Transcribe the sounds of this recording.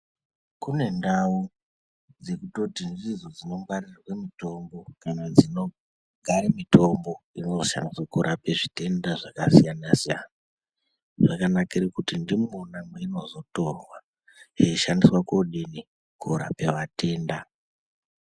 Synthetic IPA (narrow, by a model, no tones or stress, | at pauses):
kune̞ndau | d͡ze̞kuto̞tind͡zizod͡zino̞mbarirwe̞mito̞mbo̞kanad͡zino̞ | ɡʱaɾemito̞mbo̞ino̞ʃa̰ndiswakuɾʔapeʐite̞ndaʐakasijanasija̰na | ʐakanakirekutindimuonamweino̞zo̞to̞rwa | jeːʃandiswakoɗini | kuɾa̰peʋate̞ːnda